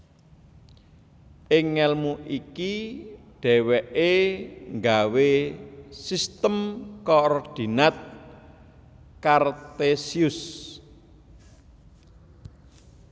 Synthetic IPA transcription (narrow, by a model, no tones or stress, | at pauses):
ʔɪŋːɛlmuʔikiɖ̥ɛ̤wɛʔeŋɡawe | sist̪əmkɔrd̥i̤nat̪̚ | kart̪esiʊs